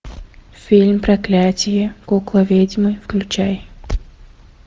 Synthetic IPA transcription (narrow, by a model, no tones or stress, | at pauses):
fʲilʲmpɾɐklʲætʲɪjəkoklˠɐvʲedʲɪmɨjfklʲʉt͡ɕaj